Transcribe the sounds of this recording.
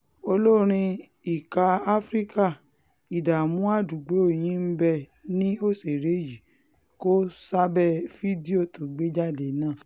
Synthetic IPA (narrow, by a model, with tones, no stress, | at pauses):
o˧lo˦ɾ̃ĩ˧ | i˨ka˧a˦fɾi˦ka˦˨ | i˨da˨mũ˨˦a˦˨du˨ɡ͡be˨˦o˦˨j̃ĩ˨˦m̩˦bɛ˧nĩ˦o˦˨se˨ɾe˨˦ji˨ | ko˦sa˦bɛ˦˨fi˦di˦o˦˨to˨ɡ͡be˦d͡ʒa˦˨de˨˦nãː˦˨